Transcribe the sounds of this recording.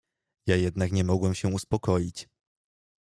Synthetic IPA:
jajɛd̪nakɲɛmɔɡwɛmɕɛuspɔkɔjit͡ɕ

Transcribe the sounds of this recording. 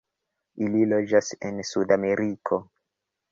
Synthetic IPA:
ʔililo̞d͡ʒasḛnsudame̞ɾʔikʰo̞

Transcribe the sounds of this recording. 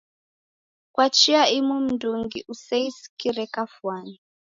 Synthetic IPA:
kwat͡ʃiaimum̩duŋɡiʔusɛisi̥kiɾɛkafwani

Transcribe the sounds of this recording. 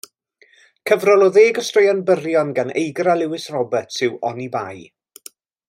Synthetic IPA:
kʰəvrɔlˠoðeːɡɔstrəjanbərjɔnɡanḛjɡralˠɪwɪsrɔbətsɪwɔniba̰j

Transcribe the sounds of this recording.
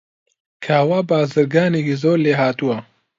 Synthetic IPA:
kʰaːwaːbaːzɨɾɡaːnekizoːɾleːɦaːt̪uwɐ

